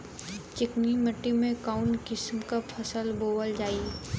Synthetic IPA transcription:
t͡ʃɪkniməʈːimẽkaːʊɳkɪsmkapʰəsəlboːwəld͡ʒaːi

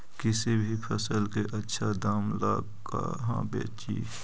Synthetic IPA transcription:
kɪsibʱipʰəsəlkeʔɐtːʃʰad̪aːmlaːɡ | ka̰ɦã̰ːbḛːt͡ʃḭː

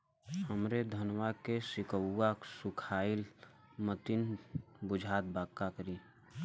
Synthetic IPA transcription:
həmɾed̪ʱənwakesɪkəːaksʊkʰaːɪl | mət̪inbʊd͡ʒʱaːt̪̚baːkːakəɾiː

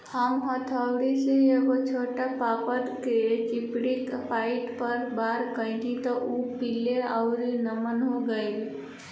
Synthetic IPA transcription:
həmɦɔt̪ʰəʊɾisejeɡot͡ʃʰoʈapapəɾket͡ʃipɽikpaɪʈpəɾbaːɾkəɪ̃t̪it̪ɔʔupileaʊɾinəmənɦoɡəil

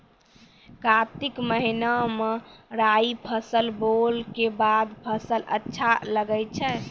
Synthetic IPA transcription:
kat̪ikməɦinameɾaipʰəsəlbolkebad̪pʰəsələ̰tːʃʰaləɡət͡ʃʰɛ

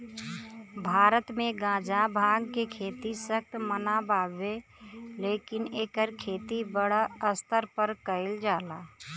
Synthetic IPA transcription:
bʱaːɾət̪mẽɡãːd͡ʒãbʱãːɡkekʰeːt̪isəkt̪mənabaːbeleːkɪneːkəɾkʰeːt̪ibəɽaəst̪əɾpəɾkəɪld͡ʒaːlaː

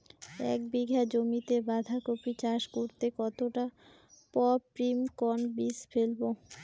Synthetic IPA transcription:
ɛ̰k̚biɡʱad͡ʑomit̪ebad̪ʱakopit͡ɕaʃkoɾt̪ekɔt̪oʈa | pɔpɾimkɔnbisfelbo

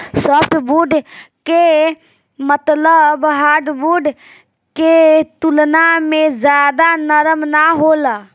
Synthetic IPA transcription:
səbbuɖke | mət̪ləbɦaɾɖbuɖ | ket̪ulnamed͡ʒjad̪anəɾəmnaɦola

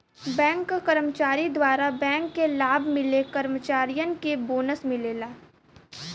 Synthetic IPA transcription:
bɛ̃ːŋkːakɐɾəmət͡ʃaːɾid̪waːɾabɛ̃ːŋkːelaːbʱmɪlekɐɾmət͡ʃaːɾijənkeboːnəsmɪleːlaː

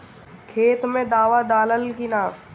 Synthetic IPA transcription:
kʰeːt̪mẽd̪aːʋad̪aːləlkinaː

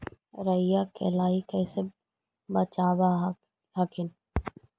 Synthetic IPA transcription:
ɾəɪjakɛ̰ːlaːikɛːse | bət͡ʃaːʋa | ɦɐkʰɪn

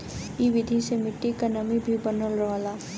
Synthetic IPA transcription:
iʋɪd̪ʱisemɪʈːikɐnamibʱibənolɾɐʋaːlaː

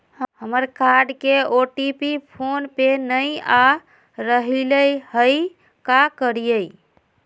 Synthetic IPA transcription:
həməɾkaɖkeoʈipipʰonpenəja | ɾəɦiləjhəj | kakəɾijəj

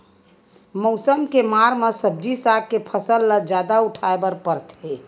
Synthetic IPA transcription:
mɔʊsəmkemaɾmẽsəb̚d͡ʒisaɡ̚kepʰəsəlːəd͡ʒad̪auʈʰaebəɾpəɾt̪ʰe

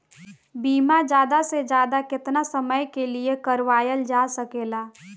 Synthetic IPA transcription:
biːmad͡ʒjaːd̪ased͡ʒjaːd̪akɪt̪nasəməjkeliekəɾʋaːjəld͡ʒaːsəkeːlaː

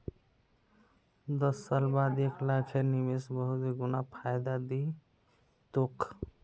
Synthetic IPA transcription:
d̪ʌsːalbad̪ekʰlakʰeɾnimesbəɦut̪iɡunapʰajd̪ad̪i | t̪ok

